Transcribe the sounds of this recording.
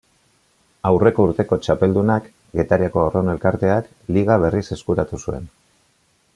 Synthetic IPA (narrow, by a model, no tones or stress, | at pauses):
awre̞ko̞uɾt̪e̞ko̞t͡ʃape̞ld̪unak | ɡe̞t̪aɾiako̞orone̞lkaɾt̪e̞ak | liɣaβ̞e̞rise̞skuɾat̪usue̞̰n